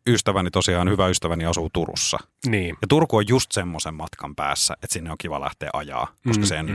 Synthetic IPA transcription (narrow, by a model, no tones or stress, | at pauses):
yst̪æʋænit̪osiɑːnhyʋæyst̪æʋæniɑsuːt̪urṵsːɑ̰ | niːjɑt̪urkuojjust̪semːosemmɑt̪kʰɑmpæ̰ːsːæ̰ʔet̪sinːeoŋkiʋɑ̰læ̰ht̪ḛːʔɑjɑ̰ːkoskɑsenː